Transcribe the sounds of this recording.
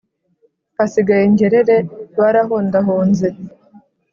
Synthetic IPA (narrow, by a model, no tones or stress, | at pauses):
asiɡajeɲɟe̞ɾeɾewaɾaɦoːndaɦoːnze